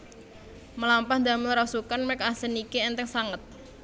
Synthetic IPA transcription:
məlampah̪d̪amɪlɾasukanmɛk̚asənikeɛnt̪ɛŋsaŋət̪̚

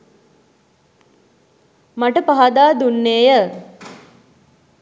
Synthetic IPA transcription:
maʈəpaɦad̪aːd̪unːeːjə

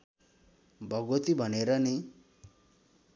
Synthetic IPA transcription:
bʱʌɡot̪ibʱʌneɾʌni

